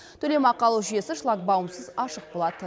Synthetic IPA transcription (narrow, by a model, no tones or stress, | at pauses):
t̪ʰɵle̞mɑqːɑlˠuʒije̞sɪʃlˠɑk̚bɑwəmsəzɑʃəq̚bo̞lˠɑd̪ə